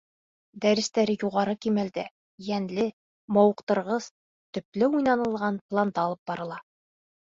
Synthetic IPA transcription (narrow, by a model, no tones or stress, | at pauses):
d̪æɾɘ̆st̪æɾɘjuʁɑɾɤkimæld̪æ | jænlɘ | mɒwɤ̆qt̪ɤ̆ɾʁɤz̥ | t̪ɵ̆plɘujnɑnɤ̆lˠʁɑnplˠand̪ɑɑlˠɤp̚bɑɾɤ̆lˠɑ